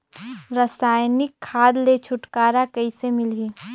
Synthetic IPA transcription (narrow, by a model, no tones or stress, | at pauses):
ɾəsaːjnɪkʰːaːd̪let͡ʃʰʊʈkaːɾakɐisemɪliː